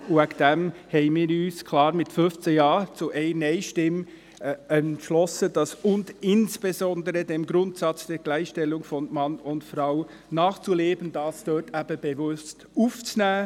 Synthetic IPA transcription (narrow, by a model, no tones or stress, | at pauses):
uɛkd̥ɛmhɛɪnmiːɾyːskʰl̥ɑːɾmɪtfʏft͡səjɑːt͡suʔɛɪnɛɪʃtɪm | ɛntʃlɔsəd̥ɑsʊndɪnsb̥ezɔndəɾədemɡɾʊntsɑt͡sd̥ɛːɾɡ̥læɪxʃtɛlːʊŋfɔnmɑnʊntfɾaʊ | nɑːχt͡suleːbənd̥ɑːsd̥øːtʰæb̥əb̥evʊst | uːft͡snæː